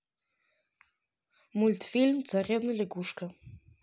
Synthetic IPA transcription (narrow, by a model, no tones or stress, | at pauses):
mulʲt̪fʲilʲmt̪t͡s̪arʲewnɨlʲeɡuʂkɐ